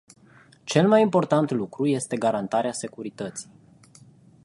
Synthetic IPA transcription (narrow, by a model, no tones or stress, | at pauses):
t͡ʃe̞lmajimpo̞rt̪ant̪lukɾuje̞st̪e̞ɡaɾant̪aɾease̞kuɾit̪ət̪si̥j